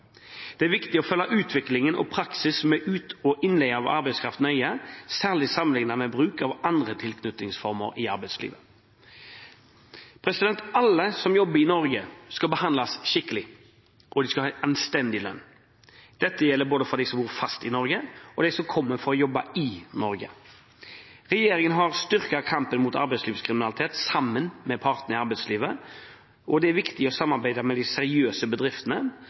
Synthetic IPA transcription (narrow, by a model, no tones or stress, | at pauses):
d̪̥ɛæɾʋɪkt̪ɪɔfœlːɑʔʉːt̪ʰʋɪklɪŋənʔɔ̰pʰɾɑksɪsmɛʔʉːt̪ɔʔɪnlɛəɑʋɑ̰ɾbɛɪskʰɾɑ̰ft̪n̩œʏəsæːʁɭɪsɑmənlɪŋnɑmɛbɾʉːkɑʋɑnd̪ɾət̪ʰɪlkʰnʉt̪ɪŋsfɔɾmə̰ɾɪɑɾbæɪslḭːʋə | pʰɾɛsɪd̪ɛnt̪ɑlːəsɔmjɔbːəɾɪnɔɾɡəskɑbəhɑnd̪lɑsʃɪkːəlɪ | ʔɔd̪ɪskɑɑːʔɑnst̪ɛnd̪ɪlœ̰nː | d̪̥ɛt̪ːəjɛlːəɾboːd̪əfɔɾd̪æɪsɔmbuːɾfɑst̪ɪnɔɾɡəɔd̪æɪsɔmkʰɔmːəfɔɾɔjɔbːɑ̰ɪnɔɾɡə̰ | ɾɛjeːɾɪŋənɦɑɾst̪ʏɾkɑkʰɑmpənmuːt̪ɑ̰ɾbɛɪsliːʋskʰɾɪmɪnɑlɪt̪ʰeːt̪sɑmːənmɛpʰɑɾt̪nəɪɑɾbɛɪsliːʋə | ʔɔd̪ɛæɾʋɪkt̪ɪɔsɑmːɑɾbæɪd̪ɑmɛd̪ɪsɛɾɪøːsəbəd̪ɾɪft̪ənə